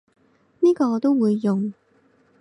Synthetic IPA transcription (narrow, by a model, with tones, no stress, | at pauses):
niː˥kɔː˧t̪o˥wwuː˨˧jːʊ˨ŋ